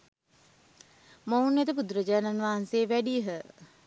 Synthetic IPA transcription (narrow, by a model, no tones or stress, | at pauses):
mownːet̪əp̬ud̪ɾəd͡ʒaːnanʋaːɦanseːʋæɖiəɦə